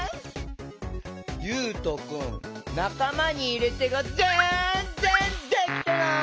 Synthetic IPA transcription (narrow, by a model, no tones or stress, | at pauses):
jɯ̟ːt̪o̞kɯ̟̃nnakamaɲ̟iːɾet̪eɡazenzẽnd̪ekʲi̥t̪ena